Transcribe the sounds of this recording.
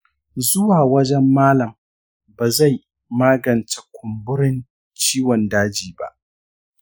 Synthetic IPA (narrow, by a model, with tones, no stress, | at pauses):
zʊ˦waː˨wɐ˦d͡ʒɛ˦mːaː˦lɐ˨m | baː˨za˦˨j | maː˦ɡɐ˨nt͡ʃe̥˨kʷʰʊ˨mbʊ˦ɽɪ˦n | t͡ʃiː˦wɔ˨ndaː˦d͡ʒiː˨ba̰˨ʔ